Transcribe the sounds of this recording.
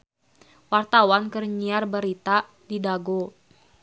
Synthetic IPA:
wart̪awankərɲiarbəɾit̪a | didaɡo

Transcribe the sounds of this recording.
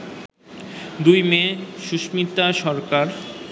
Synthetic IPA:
d̪ujmeʃuʃmit̪aʃɔɾkaɾ

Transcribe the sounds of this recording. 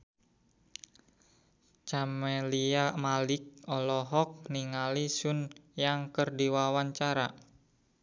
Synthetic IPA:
t͡ʃameliamalɪk̚ɔlɔɦɔk̚niŋalisʊnjaŋkərdiwawaɲt͡ʃaɾa

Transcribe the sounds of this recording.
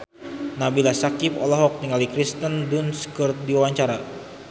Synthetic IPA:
nabilasakipɔ̰lɔɦɔk̚niŋalikɾist̪əndunskərt̪̚diwawaɲt͡ʃaɾa

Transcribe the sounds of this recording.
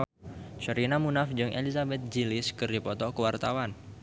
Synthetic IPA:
ʃəɾinamunafd͡ʒɨŋʔḛlizabɛt̪̚d͡ʒilɪskɨrdipɔt̪ɔkəwart̪awan

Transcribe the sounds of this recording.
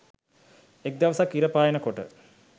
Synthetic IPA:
ek̚d̪aʋəsakːiɾəpaːjənəkoʈə̰

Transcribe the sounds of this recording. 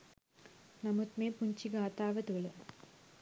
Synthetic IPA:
nɐmut̪meːpuɲt͡ɕiɡaːt̪aːʋɐt̪uɡɐɭu

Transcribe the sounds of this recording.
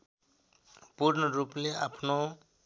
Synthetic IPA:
puɾnəɾupleapʰno

